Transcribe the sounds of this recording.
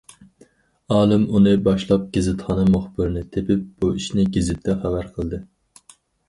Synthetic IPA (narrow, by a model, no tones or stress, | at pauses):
ɑːlˠɨmunɨbɑʃlˠɑp̚ɡ̥ʲezɨt̪χɑnɨmuχbɪɾnɪt̪ʰepɪp̚b̥uiʃnɪɡʲezɪt̪ʰːɛχæbæɾqʰəlˠd̪ɨ